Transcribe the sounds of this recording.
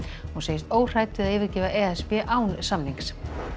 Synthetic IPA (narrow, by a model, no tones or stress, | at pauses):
hunseːjɪst̪oːwr̥aːjt̪ɪðaðɪːvɪɾcɛːvaʔɛːɛspɛʔaːwnsamniŋks